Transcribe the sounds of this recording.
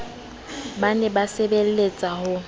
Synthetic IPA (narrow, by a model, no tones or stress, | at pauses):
banɛbasebel̩let͡sʼahʊ